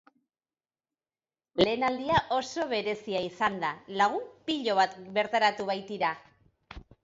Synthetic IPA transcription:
le̞ːnald̪iaʔo̞so̞βe̞ɾe̞siaisand̪alaɣ̞umpiʎo̞β̞at̪be̞ɾt̪aɾat̪uβajt̪iɾa

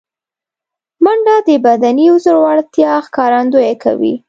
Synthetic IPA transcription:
maɳɖad̪əbad̪aniʊzəɾwɑɽt̪jɑxkɑɾand̪ojekʰa̰wḭ

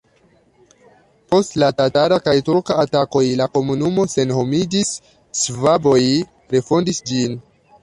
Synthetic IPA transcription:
po̞stlatatalakajtuɾkaːtako̞jlako̞munumo̞se̞nho̞mid͡ʒisː | vabo̞j | ɾe̞fo̞ndisd͡ʒin

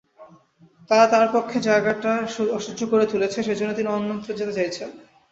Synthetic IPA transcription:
t̪aɾat̪aɾpokʰːed͡ʑaeɡaʈauɔʃud͡ʑʱokoɾet̪ulet͡ɕʰeʃed͡ʑʱonːot̪iniɔnːont̪ɾod͡ʑet̪et͡ɕajt͡ɕʰen

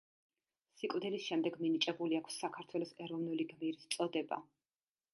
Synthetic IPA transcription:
sikʼvd̪ɛlisʃɛmd̪ɛɡminit͡ʃʼɛbuliakʰsːakʰaɾt̪ʰwɛlˠɔsɛɾɔvnuliɡmiɾist̪sʼɔd̪ɛba̰

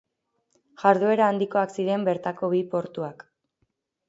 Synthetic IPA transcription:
ʝaɾðue̞ɾaːnd̪iko̞aksiɾe̞mbe̞ɾt̪ako̞βipo̞ɾt̪uak

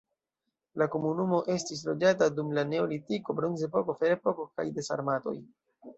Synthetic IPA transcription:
lako̞munumo̞ʔe̞stis̬lo̞d͡ʒatadumlane̞olitiko̞bɾonze̞po̞ko̞fe̞ɾepo̞koka̰jde̞sa̰ɾmato̞̰j

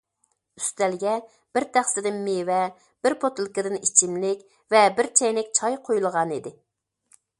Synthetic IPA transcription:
y̥st̪ælɡʲɛ | b̥ɪɾt̪ʰæχsɪd̪ɪnmewɛ | b̥ɪɾpʰot̪ʰɨlˠkɪd̪ɨnit͡ʃʰimlɪkʲ | vɛbɪɾt͡ʃʰɛjnɪk̚ʲt͡ʃʰɑjqʰojulˠʁɑnid̪ɪ

